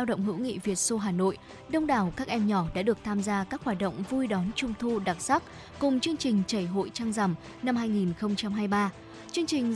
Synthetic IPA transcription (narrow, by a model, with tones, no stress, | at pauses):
aː˧wɗə̰˧˨wŋ͡mɦɨ̰˧˥wŋḭ˧˨vi˨˩ət̚so˧ɦaː˨˩no̰˧˨j | ɗə˧wŋ͡mɗaː˨˩wkaː˦˥k̚ʔɛ˧mɲɔ˧˩ɗa̰ː˧˥ɗɨ˨˩ək̚t̪ʰaː˧mzaː˧kaː˦˥k̚hwaː˨˩t̚ɗə̰˧˨wŋ͡mvu˧jɗɔ˨˦nt͡ɕʊ˧ŋ͡mt̪ʰu˧ɗa˨˩t̚sa˦˥k̚ | kʊ˨˩ŋ͡mt͡ɕɨ˧əŋt͡ɕï˨˩ŋ̟t͡ɕə˧˩jɦo̰˧˨jt͡ɕaː˧ŋza˧˩m | na˧mɦaː˧jŋi˨˩nxə˧wŋ͡mt͡ɕa˧mɦaː˧jɓaː˧ | t͡ɕɨ˧əŋt͡ɕï˨˩ŋ̟